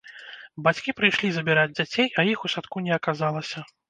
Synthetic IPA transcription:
bat͡sʲkʲipɾɨjʂlʲizɐbʲiɾad͡zʲd͡zʲat͡sʲejɐjixusat̪kunʲɛɐkazalˠɐsʲɐ

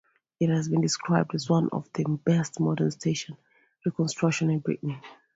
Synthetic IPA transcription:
ɪt̚hæzbĩndɪskʰɹaɪb̚dɨzwʌ̃nʔɔ̰vðɨbɛstmɔdənstʰeɪʃɔ̃n | ɹikɔ̃nstɹ̥ʌkʃɔ̃nɪ̃nbɹḭʔnɪ̃ŋ

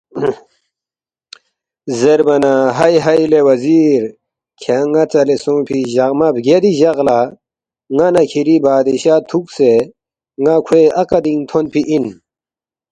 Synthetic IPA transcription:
zeɾbɐnaɦɐjɦɐjlewɐziːɾ | kʰaŋɐt͡sɐlesõːpʰiʑɐɣmɐbɡed̪iʑɐɣla | ŋanɐkʰiɾibaːd̪iɕaːt̪ʰukse | ŋakʰweɐkɐd̪iŋt̪ʰonpʰiʔin

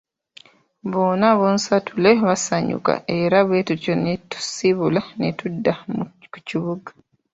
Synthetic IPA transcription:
βo̞ːnaβonsatʰule̞βasaɲṵka̰ʔe̞ɾaβwetuconetu̥siβulanetudːamku̥ciβuɡḁ

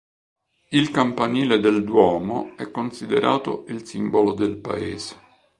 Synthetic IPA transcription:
ilkampaniːled̪eld̪wɔːmo̰ɛkːonsid̪eɾʔaːt̪o̰ilsimbolod̪elpa̰eːse̥

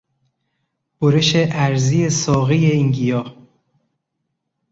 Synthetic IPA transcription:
b̥oɾeʃeʔæɾzijesɒːɣijeiŋɡijɒː

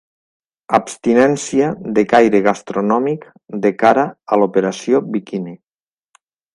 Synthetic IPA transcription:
apst̪inɛnsiaðekajɾeɣast̪ɾonɔmik | d̪ekaɾaəlopeɾasjobikine

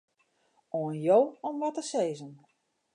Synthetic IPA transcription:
oənjoːɔmʋɔtəseːzən

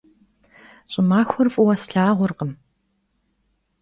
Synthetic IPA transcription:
ɕʼɪmaːxʷɔrfʼʊwɐsɬaːʁʷʊrqəm

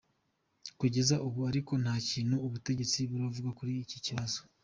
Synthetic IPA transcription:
kuɟe̞zaʔuβuaɾiko̞n̥haːciːnhuːβute̞ɟe̞t͡siβuɾavuɡakuɾiːciciβazo

